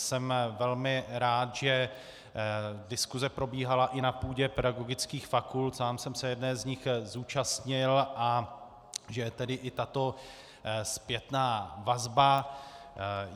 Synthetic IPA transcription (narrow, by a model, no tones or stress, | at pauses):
sɛmvɛlmɪɾaːt̪ʒ̥ɛ | dɪskuzɛpɾo̞biːɦalaʔɪnapuːɟɛpɛdaɡo̞ɡɪt͡skiːxfakult̪saːmsɛmsɛjɛdnɛːzɲɪxzuːt͡ʃast̪ɲɪlʔa | ʒɛt̪ɛdɪʔɪt̪at̪o̞ | spjɛt̪naːvazba